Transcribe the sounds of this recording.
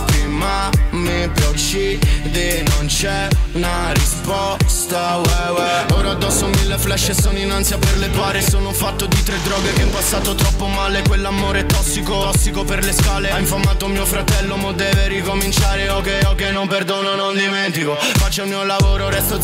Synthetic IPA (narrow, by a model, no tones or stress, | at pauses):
imamipjat͡ʃid̪enont͡ʃɛna | ɾispɔst̪awɛwɛoːɾaad̪ːɔsːomilːeflɛʃːesoːnoinːant̪sjaperlepwaːɾesoːnofat̪ːod̪it̪ɾed̪ːɾɔːɡekeɛmpasːaːt̪ot̪ɾɔpːomaːlekwelːamoːɾet̪ɔsːikot̪ɔsːikoperleskaːleaiɱfamːaːt̪omiːofɾat̪ɛlːomad̪ːɛːveɾikomint͡ʃaːɾeokːɛjokenːomperd̪oːnonond̪imɛnt̪iko | fat͡ʃːamiːolavoːɾoɾɛst̪o